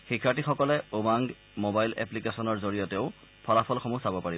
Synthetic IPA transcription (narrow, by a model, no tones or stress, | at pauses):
xikʰːatixɔkɔlɛobaŋɡ | mobajlɛ̰plikesɔnɔɹzoɹijɔtɛʊ | pʰɔlapʰɔlxɔmusabɔpaɹib